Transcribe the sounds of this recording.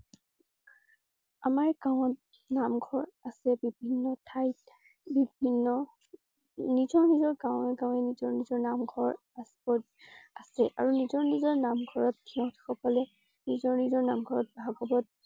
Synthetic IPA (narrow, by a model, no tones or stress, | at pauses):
amaɹɡaw̃ɔt | namɡʱɔɹasɛbibʱinːɔtʰajt̚ | bibʱinːɔ | nizɔɹnizɔɹɡãʊ̃ɛɡaʊ̃ɛnizɔɹnizɔɹnamɡʱɔɹ | asbɔt | asɛʔa̰ɹunizɔɹnizɔɹnamɡʱɔɹɔt̚dʰiaʊtxɔkɔlɛ | nizɔɹnizɔɹnamɡʱɔɹɔt̚bʱaɡɔbɔt̚